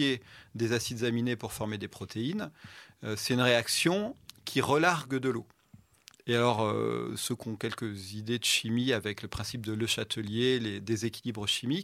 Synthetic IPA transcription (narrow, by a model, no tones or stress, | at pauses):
ed̪ezasid̪zaminepuʁfɔʁmed̪epχɔt̪ʰeinøsɛt̪ynʁeaksjɔ̃kʲʰiʁəlaʁɡd̪əlo | ealɔʁø̰søkɔ̃kʲɛlkəzid̪ed̪əʃimiavɛkləpχɛ̃sip̚d̪ələʃat̪ʰəljeled̪ezekʲilibʁəʃimik